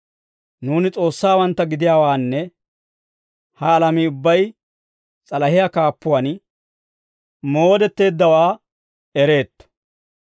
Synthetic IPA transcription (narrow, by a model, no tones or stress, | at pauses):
nuːnɪt͡sʼo̞ːsːaːwɐnt̪ːɐɡɪd̪ɪjaːwaːnːɛ | hɐːlɐmɪʊbːɐj | t͡sʼɐlɐɦɪjakaːpːʊwɐn | mo̞ːd̪ɛt̪ːe̞ːd̪ːɐwaː | ɛɾe̞ːt̪ːɔ̥